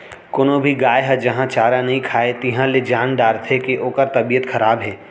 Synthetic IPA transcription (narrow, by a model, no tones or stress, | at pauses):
koːnobʱiɡaːjɦɛd͡ʒɐɦãt͡ʃaːɾanɐɦĩkʰaːet̪iɦãled͡ʒaːnɖaːɾt̪ʰekeʔoːkəɾt̪ɐbiːjət̪xʰɐɾaːbɦɛː